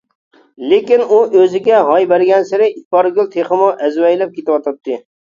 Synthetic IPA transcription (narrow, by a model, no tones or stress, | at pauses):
lekʲinuʔøzɪɡʲɛɦɑjbæɾɡʲɛnsɪɾɪit̪̚pɑɾɡʲylˠt̪ʰeχəmuʔɛzwɛjlɛp̚kʲʰet̪ɪwɑt̪ʰɑp̚t̪ʰːɨ